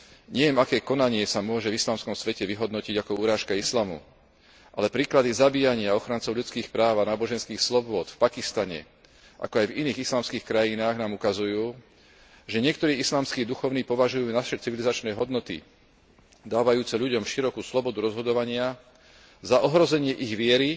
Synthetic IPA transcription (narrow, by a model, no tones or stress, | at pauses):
ɲɛjɛmakɛːkɔnaɲɪɛsamʊɔʒɛvislaːmskɔmsʋɛcɛʋiɦɔd̪nɔciɟakɔuːɾaːʃkaislaːmṵ | ʔalɛpɾiːklad̪izabiːjaɲɪaɔxɾant͡sɔʊʎut͡skiːxpɾaːʋanaːbɔʒɛnskiːxslɔbʊɔt̪fpakist̪aɲɛ̰ | ʔa̰kɔajviniːɣislaːmskiːxkɾajinaːɣnaːmukazujuː | ʒɛɲɪɛk̚t̪ɔɾiːislaːmskiːd̪uxɔʊniːpɔʋaʒujuːnaʃɛt͡siʋilizat͡ʃnɛjɦɔd̪nɔt̪ḭ | d̪aːʋajuːt͡sɛʎuɟɔmʃiɾɔkuːslɔbɔd̪uɾɔzɦɔd̪ɔʋaɲɪa | zaʔɔɦɾɔzɛɲɪɛʔiɣʋɪɛɾi